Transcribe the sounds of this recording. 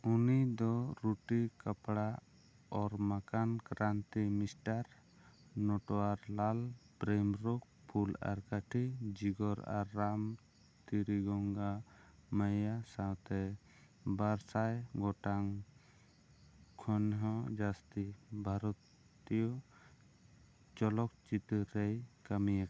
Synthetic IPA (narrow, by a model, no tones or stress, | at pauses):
unid̪ɔɾuʈikapɽa | ɔɾmakankɾant̪imisʈaɾ | nɔʈɔaɾlalpɾemɾɔk̚ | pʰula̰ɾkaʈʰid͡ʒiɡɔɾa̰ɾːam | t̪iɾiɡɔŋɡamajasawt̪ɛ | baɾsajɡɔʈaŋ | kʰɔnɦɔ̃d͡ʒast̪ibʱaɾɔt̪ | ijɔ | t͡ʃɔlɔk̚t͡ʃit̪ɾejkamijaka